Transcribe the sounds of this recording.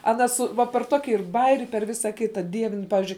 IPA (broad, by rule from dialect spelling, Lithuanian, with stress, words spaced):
ɐˈnɐ sʊ ˈʋɐ pʲɛr ˈtoːkʲɪ ɪr ˈbɑːjɛrʲɪ pʲɛr ˈʋʲɪsɐ ˈkʲɪtɐ ˈdʲiɛʋʲɪn ˈpɑːʋʲɪzʲd͡ʒʲʊɪ